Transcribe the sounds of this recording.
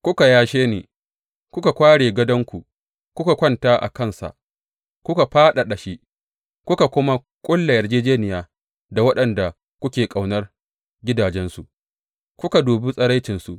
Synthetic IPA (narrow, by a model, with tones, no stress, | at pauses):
kʷʊ˦ka˨jaː˦ʃeː˦nḛː˨ | kʷʊ˦ka˨kʷaː˦ɽeː˨ɡɐ˦dɐ˦ŋkʷu˨ | kʷʊ˦ka˨kʷɐ˦ntaː˦ʔa̰˨kɐ˦˨nsa̰˨ʔ | kʷʊ˦ka˨ɸaː˦ɗa˨ɗɐ˨ʃi˦ʔ | kʷʊ˦ka˨kʷʊ˦ma˦ | kʷʼʊ˦lːa˨jɐ˨rd͡ʒeː˦d͡ʒeː˦nɪ˨jaː˦ | da˨wɐ˦ɗɐ˨nda˨ | kʷʊ˦kʲeː˨kʼa˨wnɐ˦r | ɡʲɪ˦daː˨d͡ʒɛ˦nsu˨ʔ | kʷʊ˦ka˨duː˨bi˦sʼɐ˦ɾa˦jt͡ʃɪ˨nsu˨ʔ